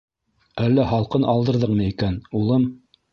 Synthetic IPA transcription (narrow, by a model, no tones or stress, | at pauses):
ælːæhɑlˠqɤnʔɑlˠd̪ɤ̆ɾðɤqmɤikænulˠɤm